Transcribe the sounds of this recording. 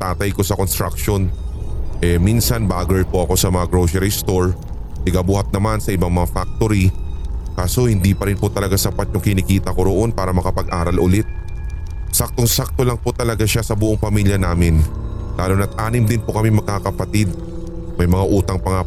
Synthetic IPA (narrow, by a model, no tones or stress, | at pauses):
t̪aːt̪ɐjko̞sɐko̞nst̪ɾa̰kʃo̞n | ʔɛminsɐnbaːɡɛɹpoʔɐko̞sɐmɐŋaɡɾosɛɾist̪o̞ɹ | t̪ɪɡabuːhɐt̪̚nɐmansɐʔɪbaŋmɐŋafak̚t̪o̞ɾikaːso̞hɪnd̪ipɐɾɪnpot̪ɐlɐɡasɐpat̪̚ɲoŋkɪnɪkiːt̪ɐko̞ɾo̞ʔo̞npaːɾɐmɐkɐpɐɡʔaːɾɐlʔʊlɪt̪̚ | sak̚t̪o̞ŋsak̚t̪o̞lɐŋpot̪ɐlɐɡaʃasɐbʊʔoŋpɐmiljɐnaːmɪnlaːlonɐt̪ʔaːnɪmd̪ɪnpokɐmɪŋmɐɡ̚kakɐpɐt̪ɪd̪̚ | mɐjmɐŋaʔuːt̪ɐŋpɐŋa